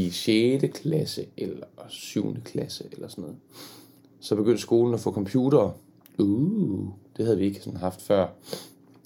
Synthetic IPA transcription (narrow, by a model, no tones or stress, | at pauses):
iɕeːd̥əkʰlæsəʔelɐsyʊnəkʰlæsəʔelɐsɔnːɔ̽ːð̩ˠ | sɒ̽b̥e̝ɡ̥ønd̥əsɡ̥o̝ːln̩æfɔ̰̽ːkʰɒ̽mpʰjuːɾ̥ɐː | u | d̥e̝hæð̞̩ˠʋie̝ɡ̥əsɔnɦɑ̈fd̥fɶɐ̰